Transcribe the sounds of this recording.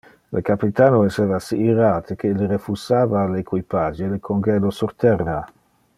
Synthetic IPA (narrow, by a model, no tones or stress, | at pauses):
lʔekapit̪aːnoɛseːvasiːɾaːt̪ʰekʰelɾefusaːvalekwipad͡ʒelekʰoŋɡɛlosurt̪ɛrːa